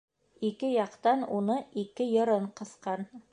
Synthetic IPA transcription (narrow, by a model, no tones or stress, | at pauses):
ikɘjɑqt̪ɑnunɤikɘjɤ̆ɾɤɴqɤ̆θqɑn